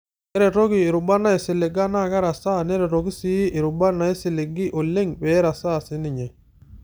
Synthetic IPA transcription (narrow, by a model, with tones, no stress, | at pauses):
ɛ˦ɾɛ˨ɾo˦kiː˨ɾʊ˨ba˦na˦e˨sɪ˨lɪ˨ɡa˦na˦˨ka˦ɾa˨sa˦˨nɛ˦ɾɛ˨ɾo˨ɡi˦sɪ˦ʔɪ˨ɾʊ˨ba˦na˨˦e˦sɪ˨le˨ɡɪ˦ʔo˨le˦ŋpɛ˨˦ɾa˨sa˦˨sɪ˨˦nɪ˨ɲɛ˨